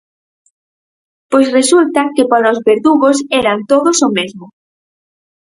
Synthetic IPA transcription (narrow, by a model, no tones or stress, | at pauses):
pojsresult̪ɐkɪpaɾaozβeɾðuɣosɛɾant̪oðosʊmezmʊ